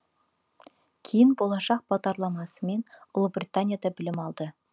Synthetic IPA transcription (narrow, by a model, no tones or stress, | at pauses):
kʲʰejɪnbo̞lˠɑʃɑq̚b̥ɑd̪ɑɾlˠɑmɑsəme̞nʊlˠəbrʲit̪anʲjad̪ɑbɪlɪmɑlˠd̪ə